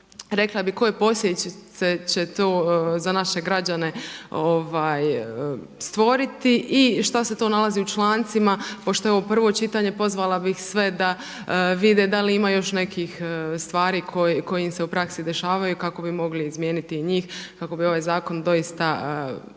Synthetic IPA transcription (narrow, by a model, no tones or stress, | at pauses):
ɾe̞klˠabiko̞jepo̞sjet͡ɕeset͡ɕet̪oːzanaʃe̞ɡɾad͡ʑane̞oʋaːj | st̪ʋo̞ɾit̪iʔiʃt̪ase̞t̪o̞ːnalˠaziːut͡ʃlˠaːnt̪simapo̞ʃt̪o̞eoopr̩ʋo̞t͡ʃit̪aɲe̞po̞zʋalˠabixsʋe̞d̪a | ʋid̪ed̪aliimajo̞ʃne̞kiːxst̪ʋaːɾiːkʰojeko̞jimse̞upɾaksid̪e̞ʃaːʋajukako̞bimo̞ɡliːzmje̞ːnit̪iːɲiːxkako̞bio̞ʋajzaːko̞nd̪o̞jist̪a